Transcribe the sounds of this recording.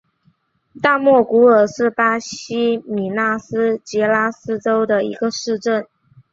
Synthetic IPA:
t̪a˥˧mwɔ˥˩ku˧˥ə˞˨˩ʂɻ̩˥˩pa˥ɕi˥mi˨˩na˥˩sɹ̩˥t͡ɕjɛ˧˥la˥sɹ̩˥ʈ͡ʂo˥ʊd̪ə˨ḭ˧˥ɡə˧ʂɻ̩˥˧ʈ͡ʂə˥˩n

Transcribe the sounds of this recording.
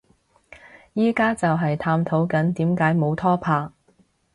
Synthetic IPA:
jiː˥kaː˥t͡sɐ˨wɦɐ˨jt̪ʰaː˧mt̪ʰo˨˥wkɐ˨˥nt̪iː˨˥mkaː˨˥jmo˨˧wt̪ʰɔː˥pʰaː˧

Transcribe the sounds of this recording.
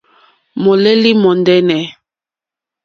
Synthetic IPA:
mɔ˨lɛ˦li˦mɔ˨ndɛ˦nɛ˨

